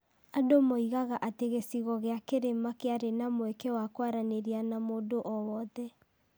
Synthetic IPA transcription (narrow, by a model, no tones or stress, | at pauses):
adomoiɣaɣaʔateɣesiɣɔɣeakeɾemakeaɾenamoɛkewakwaɾaneɾianamoːdoʔɔwɔðɛ